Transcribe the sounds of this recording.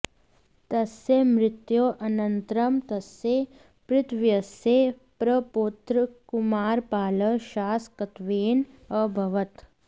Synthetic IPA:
t̪ɐsemɾɪt̪joːʔɐnɐnt̪ɾɐmt̪ɐsːe | pɾɪt̪ʰʋjɐse | pɾɐpot̪ɾəkʊmaːɾpaːləʃaːskɐt̪ʋeːn | ɐbʱɐʋɐt̪

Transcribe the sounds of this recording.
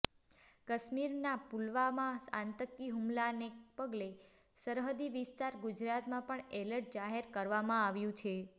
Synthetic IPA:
kəʃmiɾnapulʋamãsãnt̪əkːiɦumlanepəɡle | səɾɦəd̪iʋɪst̪aɾɡud͡ʒɾat̪mãpəɳeləɾʈ̚d͡ʒaɦeɾkəɾʋamãaʋjũt͡ʃʰe

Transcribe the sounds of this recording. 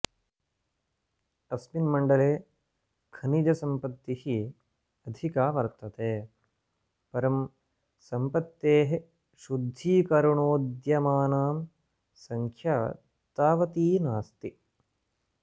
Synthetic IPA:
ɐsminmɐɳɖɐleː | kʰɐnid͡ʒɐsɐmpɐt̪ːihi | ɐd̪ʱikaːʋɐɾt̪ɐt̪eː | pɐɾɐm | sɐmpɐt̪ːeːɦe | ʃud̪ʱiːkɐɾuɳoːd̪jɐmaːnaːm | sɐŋkʰja | t̪aːʋɐt̪iːnaːst̪i

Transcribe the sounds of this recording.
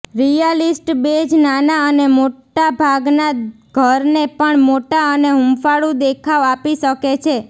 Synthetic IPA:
ɾijəlisʈbed͡ʒnanaənemoʈabʱaɡna | ɡʱəɾnepəɳmoʈaəneɦumfaɭũd̪ekʰaʋapiʃəket͡ʃʰe

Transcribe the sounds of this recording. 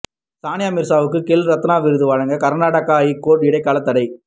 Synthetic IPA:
saːnɪjaːmɪɾsaːʋɯkːɯkɛlɾɐt̪ːɯnaːʋɪɾɯðɯʋɐɻɐŋɡɐkɐɾnaːʈɐkaːjikoːʈɪɽɐɪkːaːlɐt̪ːɐɽɐɪ

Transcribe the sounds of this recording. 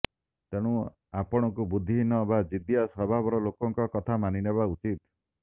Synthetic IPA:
t̪eɽ̃ũ | apɔɽ̃ɔkubud̪ʱinɔbad͡ʒid̪ijasɔbʱabɔɾɔlokɔŋkɔkɔt̪ʰamanineβaut͡ʃit̪

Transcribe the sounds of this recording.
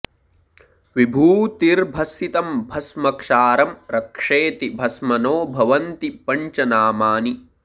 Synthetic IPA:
ʋibʱuːt̪iɾbʱɐsit̪ɐmbʱɐsmɐkʂaːɾɐmɾɐkʂeːt̪ibʱɐsmɐnoːbʱɐʋɐnt̪ipɐɲt͡ʃɐnaːmaːni

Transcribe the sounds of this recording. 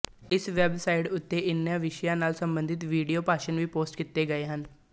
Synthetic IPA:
ɪsʋɛːbsaːɪɖʊt̪ːeːʔɪnːjãːʋɪʃjãːnaːlsəmbə̃nd̪ʱɪt̪ʋiːɖijoːpaːʃənʋiːpoːsʈkit̪ːeːɡəeːɦən

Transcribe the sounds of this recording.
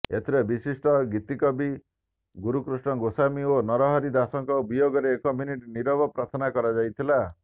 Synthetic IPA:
ḛt̪ʰiɾebisisʈɔɡit̪ikɔbi | ɡuɾukɾusɳɔɡosamionɔɾɔɦɔɾid̪asɔŋkɔbijoɡɔɾeːkɔminiʈniɾɔbɔpɾat̪ʰɔnakɔɾad͡ʒajt̪ʰila

